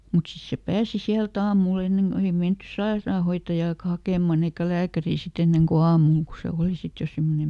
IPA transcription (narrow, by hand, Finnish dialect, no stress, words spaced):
mut sis se pæːsi siæltæ ɑːmul enːeŋ ko ei menty sɑerɑːhoitːɑjɑːkɑ hɑkeˑmɑn eikæ læːkæriː sit enːeŋ ko ɑːmul ko se oˑli sit jo simːonem